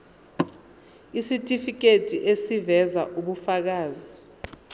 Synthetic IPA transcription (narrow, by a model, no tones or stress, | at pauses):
isitʼifik̬ʼetʼiʔesivɛza̰ʔuɓufak̬aːzi